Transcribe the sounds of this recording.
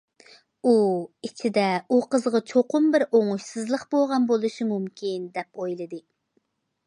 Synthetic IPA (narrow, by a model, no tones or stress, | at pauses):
uit͡ʃʰid̪ɛuqəzʁɑt͡ʃʰoqʰʊmbɪɾoŋuʃsɨzlˠəχboʁɑnbolˠuʃimumkʲʰind̪ɛpojlˠɨd̪ɨ